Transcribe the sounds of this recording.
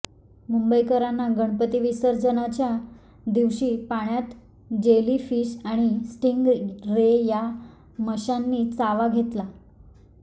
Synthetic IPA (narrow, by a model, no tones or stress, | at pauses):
mumbəjkəɾanːaɡəɳpət̪iʋisəɾd͡zənat͡ɕja | d̪iʋɕiːpaɳjat̪ | d͡ʑeliːfiːɕaɽ̃isʈiŋɡɾeja | məɕanːiːt͡saʋaɡʱet̪la